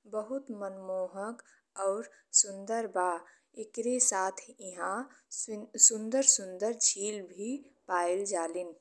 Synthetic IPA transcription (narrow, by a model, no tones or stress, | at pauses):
bəɦut̪mənmoɦək | ɔːɾ | sʊnd̪əɾba | ekɾesaːt̪ʰiɦã | sʊnd̪əɾsʊnd̪əɾd͡ʒʰiːlbʱipaːɪld͡ʒaːlɪn